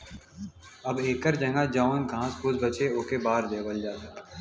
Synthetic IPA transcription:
ɐbeːkəɾd͡ʒɐ̃ŋɡad͡ʒaːnɡʱãːsbʊzbət͡ʃeoːkebaːɾd̪eːbəld͡ʒaːt̪

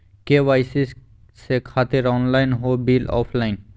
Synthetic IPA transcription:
kewajsis | sekʰat̪eɾɔnlajnɦobilɔ̰pʰlajn

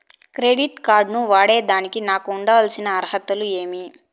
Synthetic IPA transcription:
kɾeːɖiʈkaːɾɖnuʋaːɽe̞ːd̪aːnikinaːkuːɳɖɐʋɐlsinɐːɾhɐt̪ːulue̞ːmi

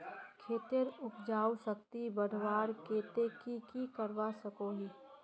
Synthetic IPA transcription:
kʰeːt̪eɾʊkʰd͡ʒaːwsək̚t̪ibəɽʱʋaːɾkeːt̪ekikikəɾʋasəkoːɡiː

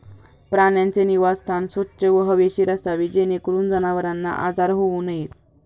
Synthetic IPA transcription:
pɾaɳjant͡seniʋast̪ʰansʋətːɕəʋəɦəʋeɕiɾasaʋid͡ʑenekɾuːnd͡zənaʋəɾanːa̰ʔad͡zaɾɦounəjet̪

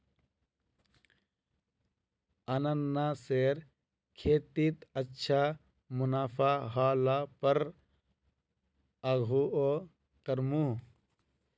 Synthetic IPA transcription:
ɐnɐnːaseːɾ | kʰeːt̪it̪ɐtːʃʰa | munaːpʰaːɦaːlaːpɐɾ | ɐɡʱuo | kɐɾmu

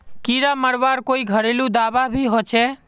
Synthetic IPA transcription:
kiːɾaməɽʋaːɾkoːiɡʱəɽelũd̪aːʋabʱiɦot͡ʃʰe

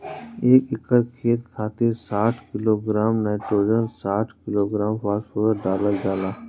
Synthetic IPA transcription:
eːkɪkəɾkʰeːt̪̚kʰaːt̪isaːʈʰkɪloːɡɾaːmnaːʈɾoːd͡ʒənsaːʈʰkɪloːɡɾaːmpaːspoɾəɾɖaːlad͡ʒaːlaː

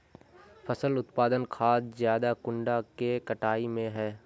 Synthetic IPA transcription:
pʰəsəlʊt̪paːd̪ənkʰaːd̪zjaːd̪akʊ̃ɳɖakekəʈaːimẽɦɛː

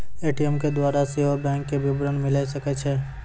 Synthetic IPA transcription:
eːʈiəmked̪waːɾaseɦobɛ̃ːŋkːebɪbɾənmɪlaisɐket͡ʃʰeː

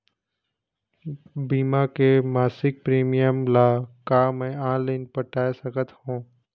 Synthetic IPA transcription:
biːmakemaːsɪk̚pɾiːmijəmlaːkaːmɛ̃ãːleːnpəʈaːesəkət̪hũː

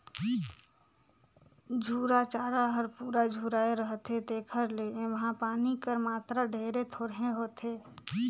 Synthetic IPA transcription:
d͡ʒʱuːɾat͡ʃaːɾaɦəɾpuːɾad͡ʒʱuːɾaːeɾəɦt̪ɦed̪eːkʰəɾleẽʋəɦãpaːnikəɾmaːt̪ɾaɖʱeːɾet̪ʰoːɾɦẽɦoːt̪eː

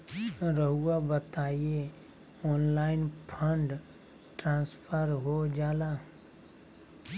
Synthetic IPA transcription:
ɾəɦuabət̪aːie | ɔːnlaːɪnpʰəɳɖ | ʈɾãːnspʰəɾɦod͡ʒaːlaː

